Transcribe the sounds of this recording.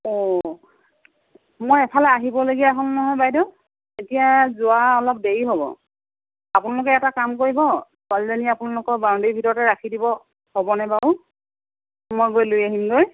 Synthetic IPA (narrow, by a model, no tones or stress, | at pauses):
ɔ | mojɛpʰalɛaɦibɔloɡiaaɦɔlnɔɦɔjbajdɔ | etijazʊaɔlɔp̚deɹiɦobɔ̰ | apʊnalʊkɛɛtakamkoɹibɔsalzaniapʊnalʊkɔɹbawndibʱitɔɹɔtɛɹakʰidibɔ | hobɔnɛbaʊ | mojɡojlojaɦimɡoj